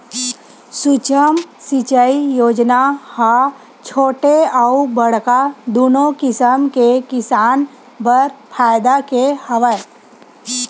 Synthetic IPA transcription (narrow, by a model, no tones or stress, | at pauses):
sʊt͡ʃəmsit͡ʃəijoːd͡ʒnaha | t͡ʃʰoːʈeaubəɽkad̪oːnõkɪsəmkekɪsaːn | bəɾpʰaːjd̪akehɐʋəj